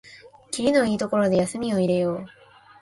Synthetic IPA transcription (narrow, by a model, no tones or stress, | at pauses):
kʲiɾʲino̞iːt̪oko̞ɾo̞d̪e̞jasɨmʲio̞iɾe̞joː